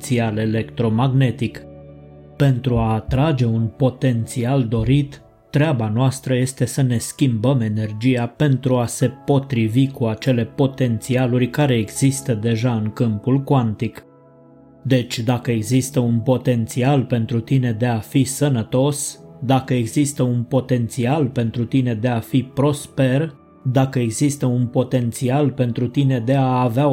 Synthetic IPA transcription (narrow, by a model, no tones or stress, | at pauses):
t̪siale̞le̞kt̪ɾo̞maɡne̞t̪ik | pe̞nt̪ɾuaːt̪ɾad͡ʒe̞unpo̞t̪e̞nt̪siald̪o̞ɾit̪ː | ɾeabanoast̪ɾəje̞st̪e̞səne̞skʲimbəme̞ne̞rd͡ʒijape̞nt̪ɾuase̞po̞t̪ɾivikuat͡ʃe̞le̞po̞t̪e̞nt̪sialurʲkaɾe̞ːɡz̥ist̪əd̪e̞ʒaɨŋkɨmpulkwant̪ik | d̪e̞t͡ʃʲd̪akəe̞ɡzist̪əunpo̞t̪e̞nt̪sialpe̞nt̪ɾut̪ine̞d̪e̞afisənət̪o̞sd̪akəe̞ɡzist̪əunpo̞t̪e̞nt̪sialpe̞nt̪ɾut̪ine̞d̪e̞afipɾo̞spe̞r | d̪akəe̞ɡzist̪əunpo̞t̪e̞nt̪sialpe̞nt̪ɾut̪ine̞d̪e̞aːvea